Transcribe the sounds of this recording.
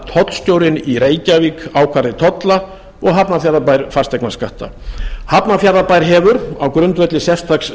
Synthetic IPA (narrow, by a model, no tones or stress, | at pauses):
t̪ʰɔt̪l̥sc̪oːwɾɪniɾeːjcavikaːwkʰvaɾðɪt̪ʰɔt̪la | ɔɣɦapnafjaɾðapajɾfaɾ̥st̪ɛjknaskaht̪a̰hapnafjaɾðapajɾ̥ɦɛːvʏɾawkɾʏnt̪vɛt̪lɪsɛft̪ʰaks